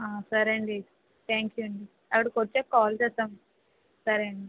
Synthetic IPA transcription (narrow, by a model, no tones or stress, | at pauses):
aːsɐɾɐɳɖi | t̪ʰaːŋkjuɐɳɖi | ɐkːɐɽikoɾt͡ʃːeːkaːlt͡ʃɛːst̪aːm | sɐɾɐɳɖi